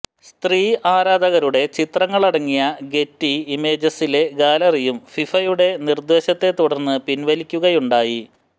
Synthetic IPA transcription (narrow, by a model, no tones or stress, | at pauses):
st̪riːʔaːɾaːd̪ɐɣɐɾuɽe̞t͡ɕit̪rɐŋːɐɭɐɽɐŋːijɐɡe̞tːiime̞ːd͡ʑɐsile̞ɡaːlɐrijumfifɐjuɽe̞nird̪ʋeɕɐt̪ːe̞t̪ːuɽɐrnːɨpinʋɐlikʲːuɣɐjuɳɖaːji